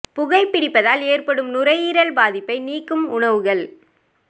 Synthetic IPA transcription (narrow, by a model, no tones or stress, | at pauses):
pʊɣɐɪpːɪɽɪpːɐðaːleːrpɐɽɯmnʊrɐjiːɾɐɭbaːðɪpːɐɪniːkːɯmʊɳɐʋɯɣɐɭ